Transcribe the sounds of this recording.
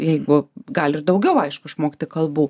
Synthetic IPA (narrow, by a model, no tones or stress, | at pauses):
jɛɪɡʊɡɐlʲɪrd̪ɐʊɡʲɛʊɐɪʃkʊɪʃmoːkʲt̪ʲɪkɐlˠbuː